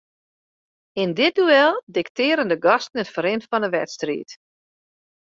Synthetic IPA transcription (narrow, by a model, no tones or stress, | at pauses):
ɪndɪt̚duɛlˠdɪktɪːɾəndəɡɔstən̩ətfəɾɪntfɔnəʋɛtstrḭːt